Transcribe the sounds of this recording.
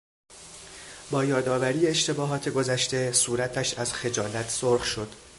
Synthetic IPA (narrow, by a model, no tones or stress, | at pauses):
bɒːjɒːd̪ɒːvæɾijeːʃt̪ʰe̞bɒːɦɒːt̪ʰe̞ɡo̞zæʃt̪e̞suːɾæt̪ʰæʃæzxe̞d͡ʒɒːlæt̪ʰsoɾxʃo̞d̪̥